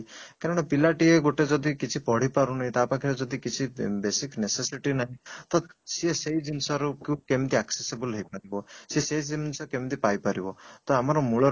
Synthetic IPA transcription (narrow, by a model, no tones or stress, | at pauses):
kaɾɔɽ̃epilaʈieɡoʈed͡ʒɔd̪ikit͡ʃʰipɔɽ̤ipaɾunaɦĩt̪apãkʰiɾɔd͡ʒɔd̪ikit͡ʃʰibesiknesesiʈinaɦĩt̪ɔsieseid͡ʒinsɔɾukjũkemt̪iaksesebəlɦɔjpaɾibɔseseisiminsɔkemt̪ipajpaɾibɔt̪ɔamɔɾɔmuɭɔ